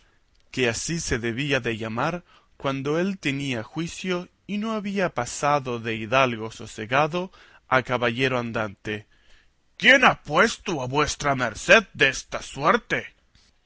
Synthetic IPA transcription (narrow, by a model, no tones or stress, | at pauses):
keasise̞ðe̞βiaðe̞ʝamaɾ | kwand̪oe̞lt̪e̞niaxwisjo | ino̞aβiapasaðo̞ðe̞iðalɣo̞soseɣaðo̞ | akaβaʎeɾoand̪ant̪e | kjenapwest̪uaβwe̞st̪ɾameɾseð̚d̪est̪asweɾt̪e